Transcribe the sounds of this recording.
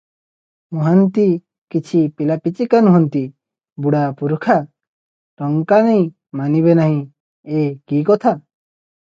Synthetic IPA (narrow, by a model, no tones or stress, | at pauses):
uɦant̪i | kit͡ʃʰipilapit͡ʃikanũɦɔnt̪i | buɽapuɾukʰa | ɾɔŋkanej̃ | maniβenaɦĩ | ekikɔt̪ʰa